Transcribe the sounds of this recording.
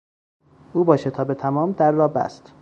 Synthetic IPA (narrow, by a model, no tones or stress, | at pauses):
ʔuːbɒːʃet̪ʰɒːbet̪ʰæmɒːmd̪æɾːɒːbæ̰st̪